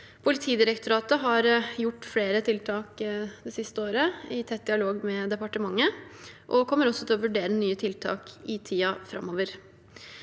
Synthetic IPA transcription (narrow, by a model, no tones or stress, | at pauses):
pʰʊlɪt̪ʰiːd̪ɪɾəkt̪ʊɾɑːt̪əɦɑɾjʊʈːfleːɾət̪ʰɪlt̪ʰɑːkd̪ɛsɪst̪əoːɾəɪt̪ʰɛt̪̚d̪ɪɑloːɡmɛd̪ɛpɑʈəmɑŋːəʔɔkʰɔmːəɾɔsːɔt̪ʰɪlɔʋʉɖeːɾənyːət̪ʰɪlt̪ʰɑ̰ːkɪt̪ʰiːɑfɾɑ̰mːoːʋəɾ